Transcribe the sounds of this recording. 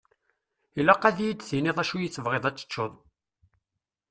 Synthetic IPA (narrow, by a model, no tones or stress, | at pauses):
ilæqːæðijit͡s̪ːθinɪðˤæʃujət͡sːəvʁeðˤæt͡sːə̥t͡ʃːoðˤ